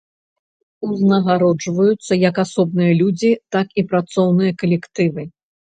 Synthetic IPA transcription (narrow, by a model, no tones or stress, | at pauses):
uznɐɣaɾɔd͡ʐvɐjut̪sːɐjɐkasɔb̚nɨjɐlʲud͡zʲit̪akipɾat̪sɔwnɨjɐkɐlʲɛkt̪ɨvɨ